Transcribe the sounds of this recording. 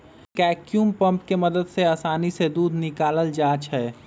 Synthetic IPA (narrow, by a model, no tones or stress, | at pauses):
kɛːkjumpə̃mpkeməd̪əd̪seəːsaːnised̪uːd̪ʱnɪkaːləld͡ʒaːt͡ʃʰɛ